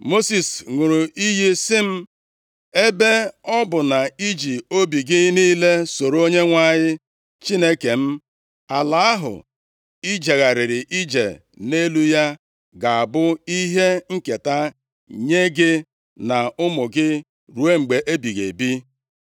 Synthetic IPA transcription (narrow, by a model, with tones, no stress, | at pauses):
mo˦si˨sŋu˨ɾu˨i˦ɦi˦sɪ˦m̩˦ | e˦be˦ɔ˦bʊ˨na˨i˦d͡ʒi˨o˦bi˨ɡɪ˦niː˦le˦so˨ɾo˦ɲe˦ŋʷa˦˨ɲɪ˦ | t͡ʃi˦ne˦ke˨m̩˦ | a˨la˦a˦ɦʊ̰˨ | i˦d͡ʒe˨ɣa˨ɾɪ˨ɾɪ˨ʔi˦d͡ʒḛ˨ | ne˦lu˦ja˦ | ɡa˨a˨bʊ˦i˦ɦe˦ŋ̩˦ke˨ta˦ | ɲe˦ɡɪ˦ | na˨ʊ˦mʊ˨ɡɪ˦ | ɾu˨e˦ŋ͡m̩˨ɡ͡be˨ʔe˦bi˨ɣḛ˨bi˦